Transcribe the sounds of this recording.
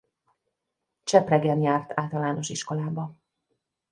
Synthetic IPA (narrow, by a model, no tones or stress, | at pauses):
t͡ʃɛprɛɡɛnjaːrt̪ʰaːlt̪ɒlaːno̞ʃiʃko̞laːbɒ